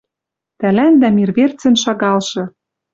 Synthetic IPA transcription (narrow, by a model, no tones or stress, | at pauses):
t̪ælænd̪æmirβert͡sɘ̆nʃɑɣɑlʃɤ̆